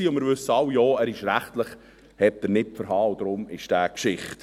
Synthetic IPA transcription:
iːʊnmɪɾvʏsːəɑwjoːæːɾɪʃɾæχtləχ | hɛt̚d̥əɾnɪpfəɾɦɑːʊd̪ɾʊmɪʃd̥æːkʃɪχt

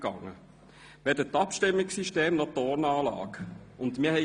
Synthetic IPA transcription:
ɡ̥ɑ̰ŋːə | ʋɛdətːɑpʃtɪmːɪksiʃteːmnɔtɔːɾnɑːlɑ̰ːkʊndmiːɐhɛ

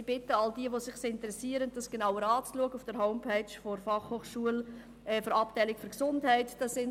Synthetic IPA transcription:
b̥ɪtəɑldiəʋosɪχsɪntəɾɛsiəɾənd̥ɑsɡ̥enaʊəɾɑːt͡sluəɡəufd̥əɾɦoʊmpʰɛɪt͡ʃfɔɾfɑχhoːχʃuəl | ɛːføɾɑp̚tɛɪlɪkfyɾksʊndhæɪtd̥ɑsɪn

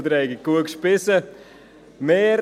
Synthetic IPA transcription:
d̪ɾɛjɡəkuəkʃpɪsə | meːɾ

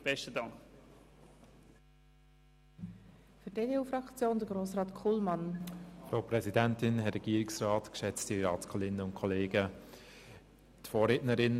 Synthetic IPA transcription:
b̥ɛʃtədɑŋk | fydedeːuːfrɑkt͡sjoːndəɾɡɾoːsrɑːtkʰulmɑnfɾaʊprɛzidæntɪnɦɛɾɛɡ̥iːɾɪksrɑːtkʃɛt͡stiɾɑːtskʰɔlɪnəʊnkʰɔleːɡə | tfɔːɾeːtnəɾɪn

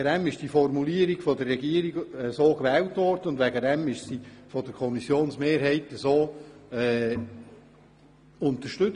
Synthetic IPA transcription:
ədɛmɪʃd̥ifɔrmuliəɾiɡ̥fɔdərːɛɡiəɾiɡəsoːkʋɛːltʋɔrd̥̪əʊndʋɛɡədɛmɪʃsifɔdəkʰɔmisjoːnsmeːɾɦɛɪtəsoːɛː | ʊnt̪əʃtʏ

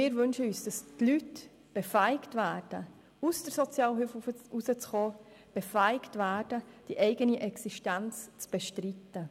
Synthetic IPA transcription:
mɪːɾvɵnʃəyːsd̥ɑstlyt | b̥ɛfæɪɪktvæːɾd̥ə | usd̥əɾsɔt͡sjɑːlɦyfusət͡sχoː | b̥efæɪktvæːɾd̥əd̥iʔɛɪɡəniʔɛksiʃtænt͡st͡sb̥ɛʃtɾitːə

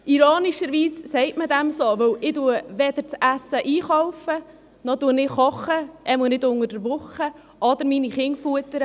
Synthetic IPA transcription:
iɾoːniʃəɾʋiːssɛɪtmədɛmsɔʋɵwɪduəʋɛd̥̪əɾt͡sæsəʔiːχɔwfə | nɔduənɪχɔχəʔɛmunɪdʊŋəɾdəɾʋʊχə | ʔɔd̪əɾminiχɪŋfuətəɾə

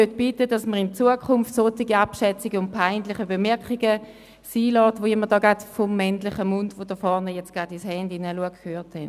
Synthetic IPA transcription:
øtb̥itədɑsməʁɪnt͡suəkʰʊmftsotɪɡiapʃɛt͡siɡəʊnt̚pʰaɪndlɪχəbəmɛɐkiɡə | siːlɔːtvoɪmədɑːɡatfɔmːɛntlɪχəmʊndvod̥əfɔɐnəjɛt͡sɡ̥adɪshɛndɪnəluəɡkʰhøːthɛn

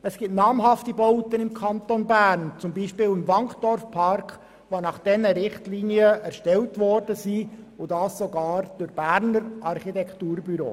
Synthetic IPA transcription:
əsɡ̥ɪtnɑːmɦɑftibɔʊt̪ənɪmkʰɑnt̪onbæːɾnt͡sʊmbiːʃpɪːlɪmʋɑŋχd̥ɔɾfpʰɑɾkχ | ʋonɑχd̥ɛnəɾɪχtliːniəæɾʃtɛltʋɔrd̥əsiːʊdɑːssoɡɑːɾd̥ʊɾb̥æːɾnəɾʔɑɾχitɛkχtuːɾbyɾo̰ː

